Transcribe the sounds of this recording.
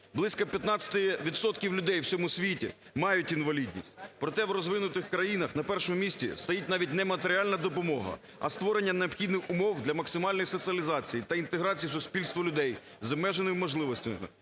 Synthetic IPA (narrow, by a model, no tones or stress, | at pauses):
blˠɪsʲkɐpʲjɐt̪nɑt͡sʲɐ̥t̪ɪʋʲit̪sɔt̪kʲiwlʲʊd̪ɛjwt͡sʲɔmʊsʲʋʲitʲḭ | mɑjʊtʲinʋɐlʲid̪ʲnʲḭsʲt̚ʲpɾɔt̪ɛwɾɔzʋɪnʊt̪ɪxkɾɐjinɐxnɐpɛrʃɔmʊmʲisʲtʲḭst̪ɐjitʲnɑʋʲit̚ʲnɛmɐt̪eɾʲɪɑlʲnɐd̪ɔpɔmɔɦɐ̰ | ɐ̰st̪ʋɔɾenʲːɐneɔpxʲid̪nɪxʊmɔwd̪lʲɐmɐksɪmɑlʲnɔjsɔt̪sʲiɐlʲizɑt͡sʲijit̪ɐint̪eɦɾɑt͡sʲijisʊspʲilʲst̪ʋɐlʲʊd̪ɛj | zɐmɛʒenɪmmɔʒlˠɪʋɔsʲtʲɐ